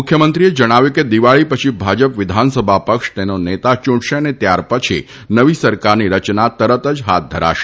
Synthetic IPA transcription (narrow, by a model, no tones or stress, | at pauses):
ʊkʰjəmənt̪ɾied͡ʒəɽ̃aʋjuked̪iʋaɭipət͡ʃʰibʱad͡ʒəpʋɪd̪ʱansəbʱapəkʃt̪enonet̪at͡ʃũɽʃeənet̪jaɾpət͡ʃʰḭ | nəʋisəɾkaɾniɾət͡ʃnat̪əɾət̪əd͡ʒɦa̰t̪̚d̪ʱəɾa̰ʃe̥